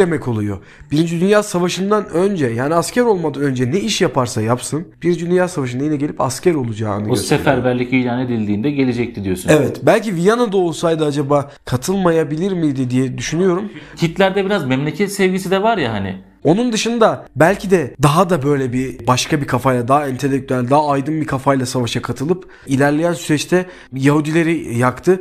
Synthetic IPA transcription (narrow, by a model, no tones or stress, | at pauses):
emɛkʰo̞lˠujo̞̰ | b̥iɾind͡ʒid̪ynjaːsavaʃɯnd̪anø̞nd͡ʒɛjaːniascʰæɾo̞lˠmad̪anø̞nd͡ʒɛnɛiʃjapʰaɾsajapsɯnb̥iɾind͡ʒid̪ynjaːsavaʃ̬ɯnajinɛɟe̞lʲipascæɾo̞lˠud͡ʒaːnɯøsefæɾbælʲiciiːlʲaːned̪ilʲd̪iːnd̪ɛɟe̞lʲed͡ʒɛc̚t̪ʰid̪ijo̞sunevɛt̪bælʲcivijanad̪ao̞lˠsajd̪aad͡ʒabaː | kʰat̪ʰɯlˠmajabilʲiɾmijd̪id̪ijɛd̪yʃynyjo̞ɾumt̪ʰit̪lʲæɾd̪ɛbiɾazmɛmlʲecʰɛt̪sɛvɟʲisid̪ɛvaɾjaɦanɪ̰ | o̞nund̪ɯʃɯnd̪abælʲcʰid̪ɛd̪aɦad̪abø̞jlʲɛbibaʃkʰabikʰafajlˠad̪aɦɛnt̪ʰe̞lʲːec̚t̪ʰyælʲd̪aɦːjd̪ɯnbikʰafajlˠasavaʃakʰat̪ʰɯlˠɯp | ilʲæɾlʲejænsyɾɛt͡ʃt̪ʰɛ | jaɦud̪ilʲe̞ɾijakt̪ʰɯ